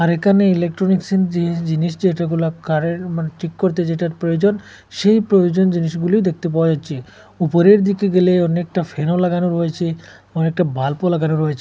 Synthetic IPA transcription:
aɾekʰaneilek̚ʈɾoniksend͡ʑiid͡ʑiniʃd͡ʑeʈaɡulakaɾemaʈʰikːoɾt̪̬ed͡ʑeʈaɾpɾojod͡ʑon | ʃejpɾojod͡ʑond͡ʑiniʃɡuliod̪ek̚t̪ep̬awad͡ʑatːʃʰe | upoɾeɾd̪ikeɡeleɔnek̚ʈafʰenolaɡanoɾɦojet͡ɕʰe | ɔnek̚ʈabʱalpolaɡanoɾɦojet͡ɕʰe

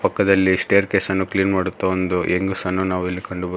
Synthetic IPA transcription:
pɐkːɐd̪ɐlːisʈeːɐɾke̞ːsɐnːukliːnmaːɽut̪ːɐond̪uʔeŋɡusɐnːunaːʋilːikɐɳɖubɐ

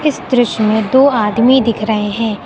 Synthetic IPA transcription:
ɪsd̪ɾʊʃmẽd̪oːaːd̪mid̪ɪkʰɾɐɦeɦɛ̃ː

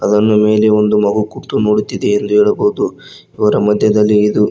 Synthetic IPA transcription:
ɐd̪ɐnːume̞ːle̞o̞nd̪umɐɡukuʈ̪ːuno̞ːɽut̪ːid̪eːnd̪uɦeːɭɐboɦud̪u | iʋɐɾɐmɐd̪ʱjɐd̪ɐlːiːd̪u

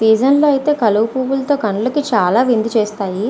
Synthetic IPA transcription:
siːd͡ʒɐnloːɐjit̪e̞ːkɐluʋupuːʋulɐt̪o̞ːkɐɳulɐkit͡ʃaːlaːʋind̪it͡ʃeːst̪aːji

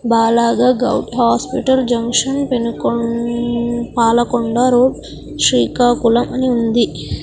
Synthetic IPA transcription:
baːlaːɡaːɡɐ̰wʈɦaːspiʈɐld͡ʒɐŋkʂɐnpenuk | paːlɐkoɳɖaːɾoːɖ | ʂɾiːkaːkulɐmʔɐniund̪i

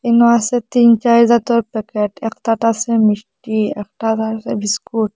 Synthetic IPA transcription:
inasɛt̪int͡ʃazat̪ɔɾpɛkeʈɛktaʈasɛmisʈiɛkʈazasɛbiskuʈ

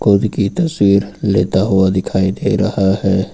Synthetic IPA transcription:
kʊd̪kit̪ɐswiːɾlḛːt̪aɦuad̪ɪkʰaːid̪eɾɐhahɛː

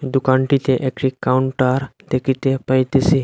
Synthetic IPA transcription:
d̪ukãɳʈit̪eʔekʈikawuɳʈəɾt̪ekʰit̪epajt̪esi

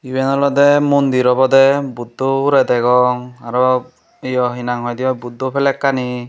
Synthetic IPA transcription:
ibɛnɔlɔd̪ɛmund̪iɾɔbɔd̪ɛbud̪ːɔuɾɛd̪ɛɡɔŋaɾɔ | ejɔɦinaŋɦɔjd̪iɔbud̪ːɔpʰɛlɛkːani

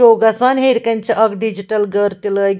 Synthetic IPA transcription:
oːɡɐsɐnɦeɾkɐnʲt͡ʃʰiʔɐɡɖid͡ʒiʈɐlɡəɾt̪iləːɡ

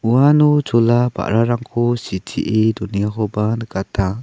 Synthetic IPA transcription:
uanud͡ʒɔlaba̰ʔɾaɾaŋkʰɔsitḭʔidunijakɔbanəkatʰa

